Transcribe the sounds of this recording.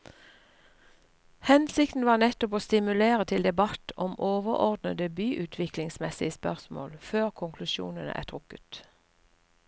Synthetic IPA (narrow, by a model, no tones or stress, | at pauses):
hɛnsɪkt̪n̩ʋɑːʁnɛt̪ʊpoːst̪ɪmʉleːʁət̪ʰɪld̪ɛbɑt̪ʰɔmoːʋəʁʔɔ̰ʁd̪nəd̪əbyːʔʉːt̪ʰʋɪklɪŋsmɛsɪəspœʁsmo̰ːlføːʁkʰʊŋkʰlʉʃṵːnənə̰ʔæ̰ːt̪ʰʁʊkə̥t̪